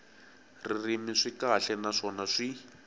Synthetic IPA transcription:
ririmiʂikaɬɛnaʂɔnaʂi

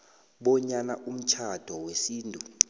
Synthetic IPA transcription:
ɓɔɲanaʔum̩t͡ʃʰad̥ʱɔwesiːntʼu

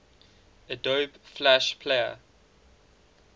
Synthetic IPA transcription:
ədoːbflæʃpʰleə̰

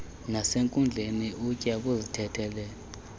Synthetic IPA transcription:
naseŋkʼund͡ɮʱeniʔucʼaɓuzitʰɛtʰɛːlɛ

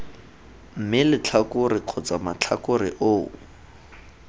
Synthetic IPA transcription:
m̩mɪlɪt͡ɬʰakʊrɪq͡χʰɔt͡samat͡ɬʰakʊɾɪʔoː

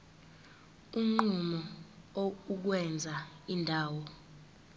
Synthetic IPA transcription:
uŋ͡ǃumɔ | ouk̬wɛnd͡zʱa | indʱaːwɔ

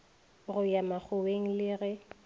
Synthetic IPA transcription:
ɣʊjamak͡xʰʊweŋ̩lɪɣɛ

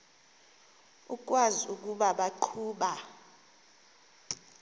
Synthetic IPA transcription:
uk̬ʼwazuk̬ʼuɓaɓaǃʰuːɓa

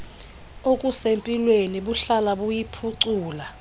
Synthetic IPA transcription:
okʼusempʼilweniɓuɬalaɓujipʰuǀuːla

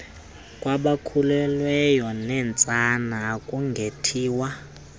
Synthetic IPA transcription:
kʼwaɓakʰulɛlwɛjɔnɛnt͡sʼanaːkʼuŋɡʱetʰiːwa

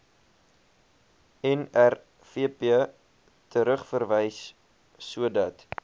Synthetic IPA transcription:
ɛnær | fiəpiə | tʰəɾəχfərvəjsː | uədɐt

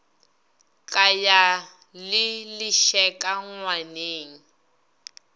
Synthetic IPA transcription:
kʼaja | lɪlɪʃɛkʼaŋwaneːŋ̩

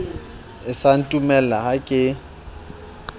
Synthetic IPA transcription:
ɪsan̩tʼumɛlaɦakʼɪ

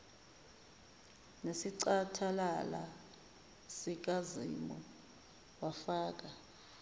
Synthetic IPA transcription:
nesiǀatʰalala̰ | sik̬azḭmɔ | wafaːk̬ʼa

